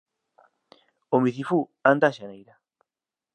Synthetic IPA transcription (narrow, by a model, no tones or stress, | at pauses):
omiθifuand̪aʃanejɾa